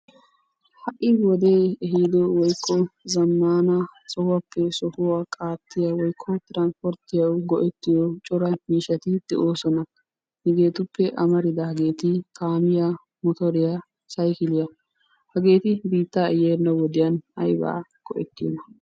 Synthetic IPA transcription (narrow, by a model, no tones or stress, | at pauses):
hɐʔɪwɔd̪e̞ːɛɦid̪ɔwɔjkʰːɔzɐmːaːnɐsɔhɐpːɛsɔhʊwakʼaːt̪ːɪjɐwɔjkʰːɔt̪ɪɾanspɔɾt̪ːɪjɐwɡɔʔɛt̪ːɪjɔt͡ʃʼɔɾɐmiːʃɐt̪ɪd̪̥ɛʔoːsɔnɐ | hɪɡe̞ːt̪ʊpːɛʔɐmɐɾɪd̪ɐhɐɡe̞ːt̪ɪkaːmɪja | mɔt̪ɔɾɪja | sɐjkɪlɪjɐ | hɐɡe̞ːt̪ɪbiːt̪ːaɛjɛnːɐwɔd̪ɪjɐnhɐ̰jbɐ̰a̰ɡ̥ɔ̰ʔɛ̰t̪ːɪjɔ̰nɐ